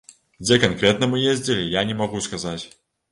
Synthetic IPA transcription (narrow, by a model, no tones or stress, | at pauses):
d͡zʲɛkankɾʲɛt̪nɐmɨjezʲd͡zʲilʲɪjanʲɛmɐɣuskazat͡sʲ